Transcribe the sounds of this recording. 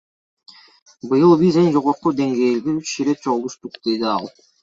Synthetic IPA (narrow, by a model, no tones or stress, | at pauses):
bɯjɯlˠbizend͡ʒo̞ʁoɾqud̪e̞ŋɡe̞ːlɡ̪iyt͡ʃʃiɾet̪̚t͡ʃʰoʁlˠuʃt̪uqd̪̥e̞d̪iɑ̰lˠ